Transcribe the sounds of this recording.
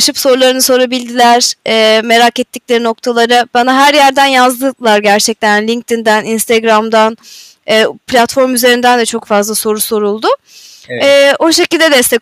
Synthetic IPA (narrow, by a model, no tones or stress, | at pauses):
ʃɯpso̞ɾulˠaɾɯnɯso̞ɾabilʲd̪ilʲæɾ̥ɛːme̞ɾakɛt̪ʰːiclʲe̞ɾino̞kt̪ʰalˠaɾɯbanaɦæɾjæɾd̪ænjazd̪ɯlˠaɾɟæɾt͡ʃʰɛc̚t̪ʰænlʲiŋk̚t̪ʰind̪æninst̪ʰeɡɾamd̪an | ɛːpʰlʲat̪fo̞ɾmyze̞ɾind̪ænd̪ɛt͡ʃʰo̞kfazlˠaso̞ɾuso̞ɾulˠd̪ʊ | ɛːo̞ʃe̞cilʲd̪ɛd̪ɛst̪ɛ